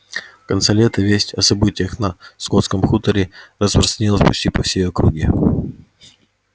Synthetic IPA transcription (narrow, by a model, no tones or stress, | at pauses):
kɐnsɛlʲet̪əvʲesʲtʲɐsɐbɨtʲɪjəxnɐskot̪skəmxut̪əɾʲɪrəspɾəst̪ənʲilˠəsʲpʊ̰t͡ɕtʲipɐ̰fsʲejɐkɾuɡʲi